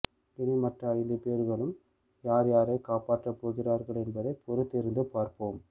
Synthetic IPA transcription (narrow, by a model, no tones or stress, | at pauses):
pɪnɪmɐʈrɐɐjlɯpeːɾɣɐɭɯm | jaːɾjaːɾeːkaːpaːʈrɐpːoːɣɪraːɾɣɐɭɛnbɐðɐɪpɔɾɯt̪ːɪɾɯnd̪ɯpaːɾpoːm